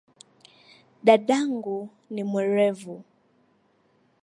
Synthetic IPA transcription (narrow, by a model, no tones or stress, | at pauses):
ɗaɗaŋɡu | nimɛɾɛvu